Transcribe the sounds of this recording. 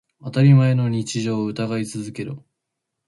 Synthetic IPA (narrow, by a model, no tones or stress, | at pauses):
at̪aɾʲimae̞no̞ɲ̟it͡ɕiʑo̞ːɯ̟t̪aɡait͡sɨzɨke̞ɾɯ